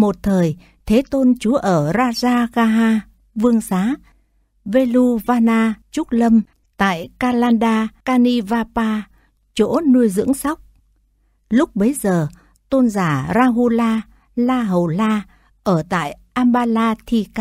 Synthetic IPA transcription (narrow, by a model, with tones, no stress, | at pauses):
mo˨˩t̚t̪ʰəː˨˩j | t̪ʰe˨˦t̪o˧nt͡ɕu˨˦əʔəː˧˩zaː˧zaː˧ɣaː˧ɦaː˧ | vɨ˧əŋsaː˨˦ | ve˧lu˧vaː˧naː˧t͡ɕu˦˥t̚lə˧m | t̪a̰ː˧˨jkaː˧laː˧nɗaː˧kaː˧ni˧vaː˧paː˧ | t͡ɕo˧˥nu˧əjzɨ̰˧˥əŋsa˦˥wk͡p̚ | lʊ˦˥k͡p̚ɓə˨˦jzəː˨˩ | t̪o˧nzaː˧˩zaː˧ɦu˧laː˧ | laː˧ɦə˨˩wlaː˧ | ʔəː˧˩t̪a̰ː˧˨jʔaː˧mɓaː˧laː˧t̪ʰi˧ka˧